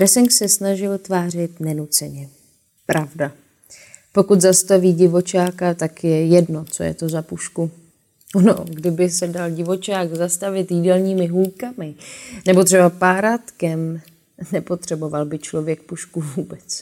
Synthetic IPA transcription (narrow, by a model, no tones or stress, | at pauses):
ɾɛsɛŋksɛsnaʒɪlt̪vaːr̝ɪt̪nɛnut͡sɛɲɛ | pɾavda | po̞kut̪zast̪aviːɟɪvo̞t͡ʃaːkat̪akjɛjɛdno̞t͡so̞̰jɛ̰t̪o̞zapuʃku | ono̰ɡdɪbɪsɛdalɟɪvo̞t͡ʃaːkzast̪avɪt̪jidɛlɲiːmɪɦulkamɪnɛbot̪r̥ɛbapaːɾat̪kɛm | nɛpo̞t̪r̝̥ɛbo̞valbɪt͡ʃlo̞vjɛk̚puʃkuvuːbɛt͡s